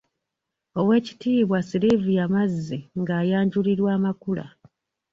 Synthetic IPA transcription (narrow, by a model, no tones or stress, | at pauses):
o̞we̞ːci̥tiːβwasilivujamazːiŋɡaːjaːɲɟuliɾwaːmakula̰